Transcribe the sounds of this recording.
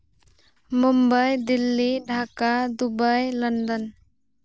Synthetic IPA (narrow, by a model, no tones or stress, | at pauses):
mumbəjd̪ilːiɖʱakad̪ubəjlənd̪ən